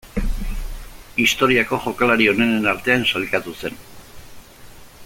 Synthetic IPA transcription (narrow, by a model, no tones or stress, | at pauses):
ist̪o̞ɾiako̞ʝo̞kalaɾio̞ne̞nenaɾt̪e̞ansalkat̪use̞n